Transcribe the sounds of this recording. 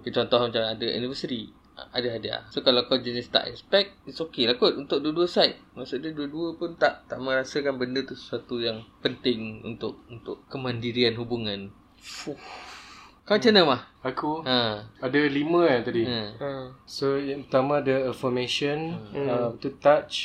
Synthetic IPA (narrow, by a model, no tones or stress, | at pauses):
kət͡ʃɔnt̪ɔhmat͡ʃamadəʔṵnifəsit̪ḭ | adəɦadia̰sokalawkod͡ʒɛnɛst̪a̰ʔɛ̰spɛk̚t̪̚isokelakʊt̪̚unt̪ʊk̚duəduəsajt̪̚maʔsuʔdaduəduəpʊnt̪aʔt̪aʔmə̃ɾasəkanbəndət̪usə̥suat̪ujaŋpənt̪ɪŋṵnt̪ʊʔ̚unt̪ʊʔkəmãndiɾianɦubuŋãn | fu | kaat͡ʃənə̃mahakuʔə̃adəlimə̃jat̪adiə̃ | sojapət̪amãdəəfɔmeʃənəmt̪ut̪at͡ʃ